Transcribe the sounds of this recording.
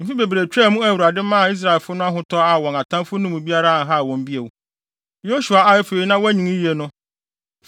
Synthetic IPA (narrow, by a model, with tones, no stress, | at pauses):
m̩˨fi˦be˨bɾe˨t͡ɕᶣɛː˦˨mũ˦æ˦˨wu˨ɾa˨dɪ˦mã˦a˨i˦s̬ɾa˨lfʊ˦nʊ̃˦a˦ɦʊ̃˦tʰɔ˦a˨wɔ̃˨ŋa˨tʰã˦fʊ˦nʊ̃˦mũ˨bi˦a˦ɾa˦˨ɦa˦˨wɔ̃˨m˦bi˦e˨w | jo˦ɕu˨a˨a˦ɛ˦fe˨i˨nã˦wæ˦ɲĩ˨ŋĩ˦je˨nʊ̃˦